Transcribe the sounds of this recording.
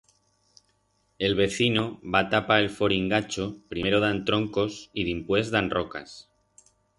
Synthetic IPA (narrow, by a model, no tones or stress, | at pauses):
e̞lβ̞e̞θino̞βat̪apaelfo̞ɾiŋɡat͡ʃopɾimeɾoð̞ant̪ɾo̞ŋko̞siðimpwe̞zðanroka̰s